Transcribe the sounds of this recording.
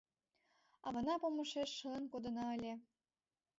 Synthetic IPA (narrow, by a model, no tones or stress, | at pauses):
ɑβɤ̆nɑpomɤ̆ʃeʃːɤlə̆nkod̪ɤ̆nɑə̆lʲe